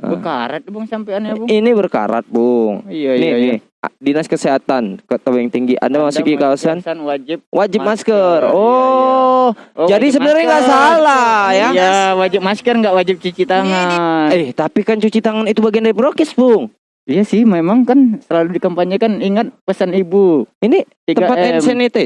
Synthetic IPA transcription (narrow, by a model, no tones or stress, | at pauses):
ə̰bəkaɾat̪̚bʊŋsampeanjabʊŋinibərka̰ɾa̰t̪̚bʊŋnini | dinaskəseɦat̪ankət̪awjŋt̪iŋɡiʔa̰ndamasukikawasannwad͡ʒɪp̚wʔad͡ʒɪpp̚maskərɔ | d͡ʒadis̬əbənarɲaŋɡaʔsalajaawad͡ʒɪp̚maskərŋɡaʔwad͡ʒɪp̚t͡ʃut͡ʃit̪aŋanɛht̪apikant͡ʃut͡ʃit̪aŋanit̪ubaɡiandaɾipɾokɛsbʊŋ | ijasɪhmemaŋkansəlaludikəmpaɲakaniŋat̪̚pəsanibuinit̪it̪əpat̪nsɛnit̪ɛ